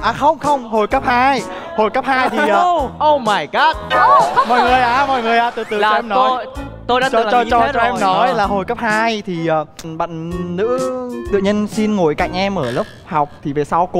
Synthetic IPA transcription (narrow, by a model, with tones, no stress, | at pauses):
ʔaː˨˩xə˧wŋ͡mxə˧wŋ͡mho˨˩jkəː˦˥p̚haː˧j | ho˨˩jkə˦˥p̚haː˧jt̪ʰi˧˩ʔəː˨˧˩ʔə˧wmaː˨˧˩jkə˦˥t̚mɔ̰˧˨jŋɨ˨˩əjʔaː˨˩mɔ̰˧˨jŋɨ˨˩əjʔaː˨˩t̪ɨ̰˧˨˩t̪ɨ˨˩t͡ɕːɔ˧ɛ˧mnɔ˨˦j | t̪o˧jɗaː˧˦t͡ɕɔ˧˨ɔ˧t͡ɕɔ˧˦˥t͡ɕɔ˧ʔɛ˧mnɔ˨˦jlaː˨˩ɦo˨˩jkə˦˥p̚haː˧jt̪ʰi˨˩ʔəː˨˩ɓə̰˧˨ŋ̟nɨ̰˧˥t̪ɨ̰˧˨ɲə˧nsi˧nŋo˨˩jkaː˧˩k̚ʔɛ˧mʔəː˧˩lə˦˥p̚ha˨˩wk͡p̚t̪ʰi˨˩ve˨˩saː˧wk